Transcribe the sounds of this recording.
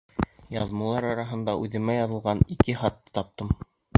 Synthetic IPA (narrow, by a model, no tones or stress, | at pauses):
jɑðmɤ̆lˠɑɾɑɾɑɦɤ̆nd̪ɑʔʉðɘ̆mæjɑðɤ̆lˠʁɑnikɘχɑt̪ːt̪ɑp̚t̪ɤm